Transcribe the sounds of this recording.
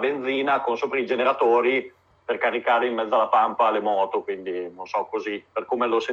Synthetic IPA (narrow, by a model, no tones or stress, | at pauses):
bend̪ziːnakonsoːpɾaid͡ʒeneɾat̪oːɾi | perkaɾikaːɾeimːɛd̪zːalapampalemɔːt̪okwind̪inonsɔkːoziperkoːmelose